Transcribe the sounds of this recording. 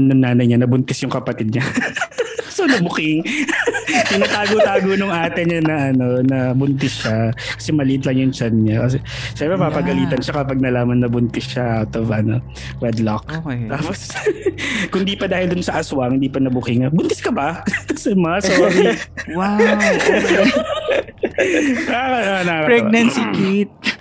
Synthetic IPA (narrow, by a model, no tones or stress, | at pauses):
nʊŋnaːnɐjɲanɐbʊnt̪ɪsjʊŋkɐpɐt̪ɪd̪̚ɲɐ | sonɐbʊkɪŋ | p̪ɪnat̪aːɡot̪aːɡonʊŋʔaːt̪ɪnɲɐnɐʔɐno̞nɐbʊnt̪ɪsʃakɐ̥sɛmɐlɪʔɪt̪lɐŋjʊŋt͡ʃanɲakɐs̬ɛ | ʃɛmpɾɛpapɐɡɐliːt̪ɐnʃakɐpɐɡ̚nɐlaːmɐnːɐbʊnt̪ɪsʃɐʔawt̪ovʔɐno̰ | ɹɛd̪lok̚t̪aːpos | kʊnd̪iːpɐd̪aːhɪld̪ʊnsɐʔɐswɐhɪnd̪iːpɐnɐbʊkɪŋɐbʊnt̪ɪskɐbɐsɛmɐasoːɾi | aɐanɐpɾɛɡnɐnsɪkit̪̚